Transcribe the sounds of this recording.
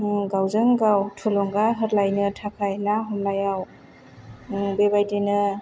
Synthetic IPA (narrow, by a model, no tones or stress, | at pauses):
ɡawzɯŋɡawtʰulɔŋɡaɦɯɾlajnɯtʰakʰajnaɦɔmlajaw | bebajdenɯ